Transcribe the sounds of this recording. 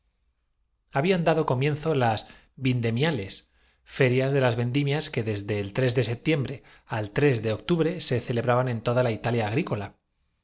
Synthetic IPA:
aβiand̪aðo̞ko̞mjẽ̞nθo̞las | bind̪e̞mjale̞s | fe̞ɾjazðe̞lazβe̞nd̪imjaske̞ðe̞zðe̞ːlt̪ɾe̞zðe̞se̞p̚t̪je̞mbɾe̞ | alt̪ɾe̞zðe̞o̞k̚t̪uβɾe̞se̞θe̞le̞βɾaβanẽ̞nt̪o̞ðalait̪aljaːɣ̞ɾiko̞la

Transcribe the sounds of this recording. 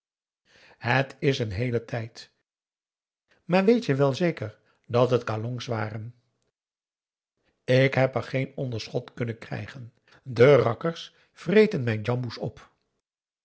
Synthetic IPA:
hətɪsənɦejlətʰɛjt | maːɹʋejtjəʋɛlˠzejkəɹ | dɑtɦətkalɔŋsʋaːrən | ɪkɦɛpəɹχejnɔndəɹsχɔtkɵnənkrɛ̰jχən | dərɑkəɹs | frejtənmɛjnd͡ʒɑmbusɔ̰p

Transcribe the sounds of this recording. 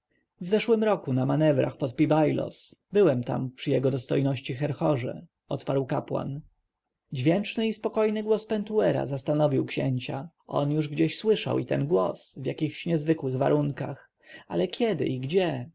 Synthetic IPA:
vzɛʂwɘmɾɔkunamanɛvɾa̰xpɔt̪̚pʲibajlɔ̰sbɘwɛmt̪a̰mpʂɘjɛɡɔd̪ɔst̪ɔjnɔɕt͡ɕixɛɾxɔʐɛ̰ | ɔt̪paɾwkapwa̰n | d͡ʑvʲjɛnt͡ʂnɘispɔkɔjnɘɡwɔspɛnt̪uɛɾa̰zast̪anɔvʲiwkɕɛ̰ɲt͡ɕa | ʔɔ̰njuʐɡd͡ʑeɕswɘʂa̰wit̪ɛnɡwɔ̰svjakʲixɕɲɛzvɘkwɘɣva̰ɾuŋkax | a̰lɛkʲʰɛd̪ɘ̰ʔiɡd͡ʑɛ

